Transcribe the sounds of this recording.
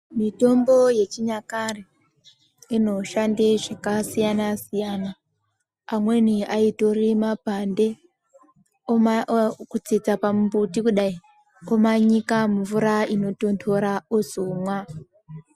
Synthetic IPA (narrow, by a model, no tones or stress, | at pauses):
mito̞mboje̞t͡ʃiɲakari | ino̞ʃandeʐakasijanasijanaː | mwe̞niaito̞rimapande̞ | kut͡sid͡zapamumbutikuɗai | omaɲikamuvuɾaino̞to̞ntʰoɾaozomwa